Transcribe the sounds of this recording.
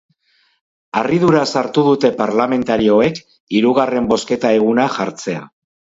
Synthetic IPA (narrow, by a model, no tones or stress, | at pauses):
arið̞uɾasaɾt̪uðut̪e̞paɾlame̞nt̪aɾio̞e̞k | iɾuɣ̞are̞mbo̞ske̞t̪ae̞ɣ̞unaʝaɾt͡se̞a̰